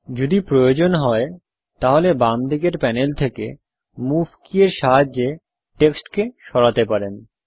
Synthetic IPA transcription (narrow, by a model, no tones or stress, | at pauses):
d͡ʑod̪ipɾojod͡ʑonɦɔe | t̪aɦolebamd̪ʱiɡeɾpɛnelt̪ʰeke | muvkieɾʃaɦad͡ʑːe | ʈeksʈkeʃɔɽat̪epaɾen